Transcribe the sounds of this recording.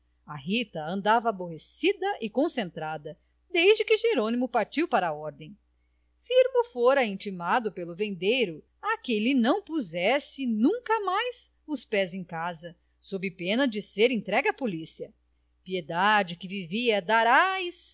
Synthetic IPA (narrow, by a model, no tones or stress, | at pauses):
ɐɦit̪ɐɐ̃nd̪avɐːboɦesid̪ɐʔɪkõsẽnt̪ɾad̪ɐ | d̪ejzd͡ʒɪkɪʒeɾõnimʊpaɾt͡ʃiwpaɾɐɔɾd̪ẽj̃ | fiɾmʊfoɾɐẽnt͡ʃimad̪ʊpelʊvẽnd̪ejɾʊ | akelɪnɐ̃w̃puzɛsɪnũkɐmajz | ʊspɛzẽj̃kazɐ | sobɪpẽnɐd͡ʒɪseɾẽt̪ɾɛɡɐpolisiɐ | pied̪ad͡ʒɪkɪviviɐd̪aɾajs